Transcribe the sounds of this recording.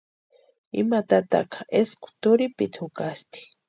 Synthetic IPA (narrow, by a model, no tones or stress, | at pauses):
ḭmat̪at̪a̰kʰḁʔeskʊ̥t̪ʊɾipit̪hʊkast̪i̥